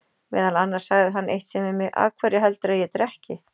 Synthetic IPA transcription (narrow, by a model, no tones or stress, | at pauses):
mɛ̰ːðalanːaɾ̥saɣðɪɦanːʔejht̪sɛmɪmɪɣʔa̰ːkʰvɛːɾɪɦalt̪ɾajɛt̪ɾɛhcɪ